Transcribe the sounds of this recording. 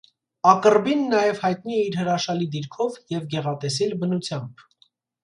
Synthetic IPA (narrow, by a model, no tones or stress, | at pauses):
ɑkəɾbinːɑjɛvhɑjt̪niɛiɾɦəɾɑʃɑlid̪iɾkʰɔvjɛvɡɛʁɑt̪ɛsɛlbənut͡sʰjɑmb̥